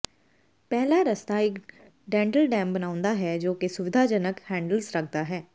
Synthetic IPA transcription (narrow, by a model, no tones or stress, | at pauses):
pɛɦlaɾəst̪aɪk | ɖɛ̃ːɳʈəlɖɛ̃ːmbənaːʊ̃nd̪aɦɛːd͡ʒoːkesʊʋɪd̪ʱaːd͡ʒənəkhɛ̃ːɳɖəlsɾək̚ʰd̪aɦɛː